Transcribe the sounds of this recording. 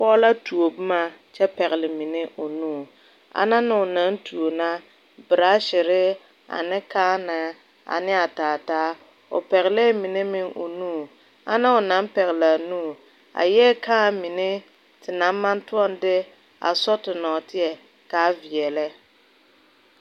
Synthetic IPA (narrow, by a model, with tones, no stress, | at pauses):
pɔː˦la˦tu˨o˨bɨ˦ma˨t͡ʃɛ˦pɛ˨ɣɪ˨lɪ˨mi˨nɪ˦ʔo˨nuː˦˨ | a̰˦na˦nɪ˨ʊ˨na˨˦n˦tu˨o˨na˦ | bɪ˨ɾa˦ʃɪ˨ɾɪ˦ | a̰˨nɪ˦kaː˦na˨ | a̰˨nɪ˦a˨taː˨taː˦ | ʊ̰˨pɛ˨ɣɪ˨lɛ˦mi˨ne˦mɪ˦ŋʔo̰˨nuː˦˨ | a̰˦na˦ʊ˨na˦m˦pɛ˨ɣɪ˨la˨nuː˦˨ | a̰˨jɛː˦ka˦˨mi˨ne˦ | tɪ˨na˨˦m˦ma˦ntu˦ɔ˦ndɪ˦ | a̰˨sɔ˦tɪ˨nɔː˨tɪ˦ɛ˨ | kaː˨˦vi˨ɛ˨lɛ˦